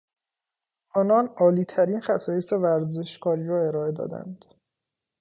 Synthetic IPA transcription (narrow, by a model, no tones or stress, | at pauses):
ʔɒːnɒːnɒːliːt̪ʰæɾiːnxæsɒːjesevæɾze̞ʃkʰɒːɾiːɾɒːe̞ɾɒːe̞d̪ɒ̰ːd̪æ̰nd̪̥